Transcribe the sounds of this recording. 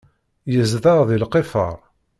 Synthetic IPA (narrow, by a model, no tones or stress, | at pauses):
jəzðəʁðilqefə̰ʁ